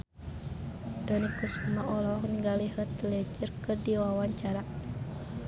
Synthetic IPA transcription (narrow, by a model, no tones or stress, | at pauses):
d̥ɔnikusumaʔɔlɔhniŋɡaliɦət̪əlɛd͡ʒərkɨrdiwawaɲt͡ʃaɾa